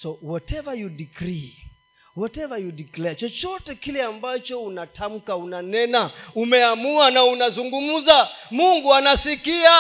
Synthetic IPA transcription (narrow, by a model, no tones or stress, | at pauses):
sɔwɔtɛvajudikɾi | wɔtɛvajudiklɛat͡ʃɔt͡ʃɔtɛkilɛambat͡ʃɔunatʰam̩kaunanɛnaumɛamuanaunazuŋɡum̩zamuŋɡuanasikia